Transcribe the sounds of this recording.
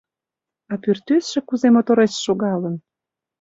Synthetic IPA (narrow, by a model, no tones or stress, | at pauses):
ɑpyrt̪øsʃĕkuzemot̪oɾesʃoɣɑlə̆n